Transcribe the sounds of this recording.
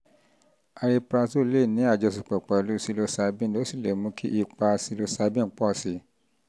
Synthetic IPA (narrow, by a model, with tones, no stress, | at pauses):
a˧ɾe˧pɾa˧so˦˨˦le˦˨nĩ˨˦a˦˨d͡ʒɔ˧s̬i˨k͡pɛ˨k͡pɛ˨lu˨˦si˧lo˧˦sa˧˦bĩ˦˨lo˨˦si˦˨le˨mũ˧˦kʰi˦ʔi˧k͡pa˧si˧lo˧sa˧˦bĩ˦˨˦k͡pɔ˦˨si˨˦